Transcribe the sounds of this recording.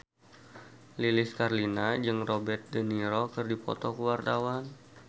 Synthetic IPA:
lilɪskarlinad͡ʒɨŋrobɛrt̪̚dəniɾɔkɨrdipɔ̰t̪ɔkəwart̪awan

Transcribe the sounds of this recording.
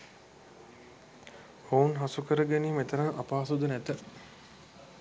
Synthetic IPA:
hounɦasukəɾəɡeniːmet̪əɾɐŋʔapaːsud̪unæt̪ə

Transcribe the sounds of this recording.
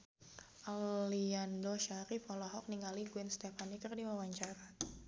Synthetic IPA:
ʔaliandoʃaɾifɔlɔɦɔk̚niŋaliɡwɛnst̪ɛfanikərdiwawaɲt͡ʃaɾa

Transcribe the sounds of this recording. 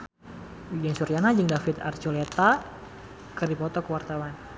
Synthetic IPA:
ud͡ʒɛnsuɾijanad͡ʒɨŋdafɪt̪a̰rt͡ʃolet̪a | kərdipɔt̪ɔkəwart̪awan

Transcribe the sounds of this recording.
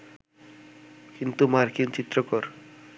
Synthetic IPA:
kint̪umaɾkint͡ɕit̪ːɾokɔɾ

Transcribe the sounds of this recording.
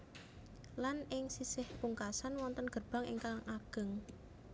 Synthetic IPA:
lanɪŋsisɪhpuŋkasanwɔnt̪ənɡ̥ə̤rb̥a̤ŋɪ̰ŋkalaŋʔaɡ̥ə̤ŋ

